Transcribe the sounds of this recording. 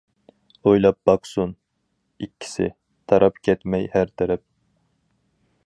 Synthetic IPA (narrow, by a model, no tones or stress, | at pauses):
ojlˠɑp̚b̥ɑqsun | ikʲʰːi̥sɪ̰ | t̪ʰɑɾʔɑpkʲʰɛt̪mɛjhæɾt̪ʰɛɾɛp̚